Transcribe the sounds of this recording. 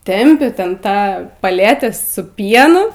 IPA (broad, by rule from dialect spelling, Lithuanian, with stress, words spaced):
ˈtʲɛmʲpʲɪ ˈtʲɛn ˈtɑː pɐˈlʲæːtʲæː sʊ ˈpʲiɛnʊ